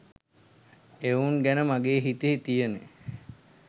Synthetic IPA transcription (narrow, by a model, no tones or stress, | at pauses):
euŋɡænəmaɡeːɦit̪eɦit̪ijəne